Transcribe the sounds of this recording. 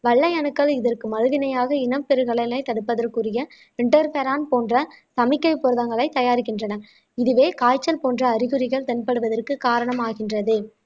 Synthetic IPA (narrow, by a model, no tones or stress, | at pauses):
ʋɐɭːɐjɐnɯkːɐɭɪðɐrkɯmɐlɯɣɪnɐjaːɣɐɪnɐmpːɛɾɯɣɐɭɐlɐɪt̪ɐɽɯpːɐðɐrkɯrɪjɐ | ɪɳʈɐɾpeɾaːnpoːndrɐsɐmɪkːɐɪpːɔɾɯðɐŋɡɐɭɐɪt̪ːɐjaːɾɪkːɪndrɐnɐ | ɪðɯʋeːkaːjt͡ʃːɐlpoːndrɐːɾɪɣɯɾɪɣɐɭt̪ɛnpɐɽɯʋɐðɐrkɯkaːɾɐɳɐmaːɣɪndrɐðɯ